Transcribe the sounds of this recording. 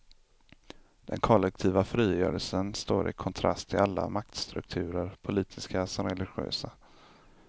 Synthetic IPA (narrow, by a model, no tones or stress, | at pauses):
d̪̥ɛnkʰɔlːɛk̚t̪ʰiːvafɾiːjœ̰ːɾəlsənst̪oːɾʔɪ̰kʰɔnt̪ʰɾa̰st̪ʰːɪlalːa̰mak̚t̪st̪ɾɵ̰k̚t̪ʰʉ̟ːɾəɾpʰʊliːt̪ʰɪskasɔɾɛlɪɧɪø̰ːsa